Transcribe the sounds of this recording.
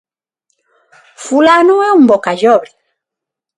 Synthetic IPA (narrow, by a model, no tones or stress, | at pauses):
fulanuwɛum̩bɔkaʒɔβli